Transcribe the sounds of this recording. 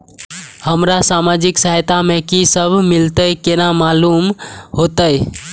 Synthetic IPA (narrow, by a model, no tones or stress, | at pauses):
həmɾasamad͡ʒɪksəɦjt̪amẽkisəbʱmɪlt̪əjkenamalumɦot̪əj